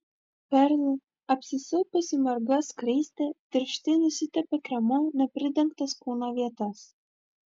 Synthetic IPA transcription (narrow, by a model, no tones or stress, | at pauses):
pʲɛɾʲlʲɪ | ɐpʲsʲɪsɪlˠpɐsʲɪmɐɾɡɐskɾʲiːsʲt̪ʲɛt̪ʲɪɾʲʃt̪ʲɪnʊsʲɪt̪ʲɛpʲɛkɾʲɛmoːnʲɛpʲɾʲɪd̪ʲɛŋkt̪ɐskuːnoʋʲiɛt̪ɐs